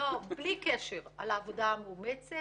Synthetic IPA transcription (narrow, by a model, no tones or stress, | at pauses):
oblikeʃeʁa̰laːvodameumet͡se